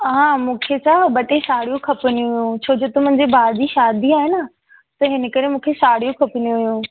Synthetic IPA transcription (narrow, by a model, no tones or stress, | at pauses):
ɦãːmũːkʰet͡ɕʰaɓɐʈesaːɽijũkʰɐpənijũɦjũt͡ɕʰoːd͡ʑot̪omʊ̃ɦɪ̃ɲd͡ʑebʱaːɾd̪iʃaːd̪iaːɦenə | t̪ɐɦɪnə̆kɐɾemũːkʰesaːɽijũkʰɐpɪnijũɦjũː